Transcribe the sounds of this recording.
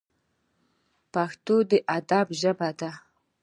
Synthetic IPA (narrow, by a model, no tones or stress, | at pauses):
paxt̪od̪əʔad̪abʒəbad̪a